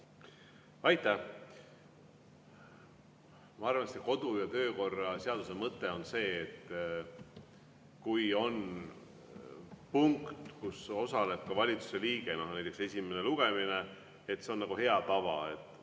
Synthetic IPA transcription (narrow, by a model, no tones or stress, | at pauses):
ɑjt̪ːˑæ | mɑɑrvɑnsiseko̞d̪̥ujɑt̪ø̞ːko̞rːɑse̞ɑd̪̥use̞mɤt̪ːˑe̞o̞nse̞ːt̪ː | kujo̞n | puŋkt̪kuso̞sɑle̞b̥̚kɑvɑlʲit̪su̥se̞liːɡ̥e̞no̞hnæjt̪ːˑekse̞sʲime̞ne̞luɡ̥e̞mine̞ | et̪seo̞nːɑɡ̥uhe̞ɑt̪ɑvɑ̰e̞t̪ːˑ